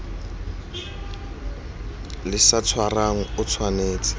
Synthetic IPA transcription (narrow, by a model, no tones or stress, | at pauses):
lɪsat͡sʰwaraŋ̩ʊt͡sʰwaneːt͡sʼɪ̥